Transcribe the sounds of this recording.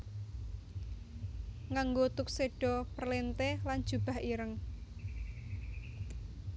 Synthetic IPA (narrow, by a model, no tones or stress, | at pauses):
ŋaŋɡot̪ʊk̚seɖ̥ɔ̤pərlent̪elan̥ʒ̥ub̥a̤hiɾəŋ